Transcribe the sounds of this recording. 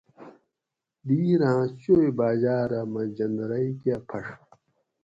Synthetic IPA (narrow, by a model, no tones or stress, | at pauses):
d̪iːɾããɕojbaːd͡ʑaːɾɐmɐd͡ʑɐnd̪ɾɐjkjapʰɐʂ